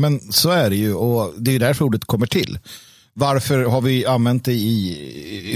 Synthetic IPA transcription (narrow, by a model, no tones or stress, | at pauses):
mɛnsoæɖɛjɵɔd̪ɛjɵd̪æɾfuːɖət̪kʰɔmːəʈʰɪ̰lː | vaɾfœɾɦaɾvɪanvɛnt̪̚d̪ɛjɪ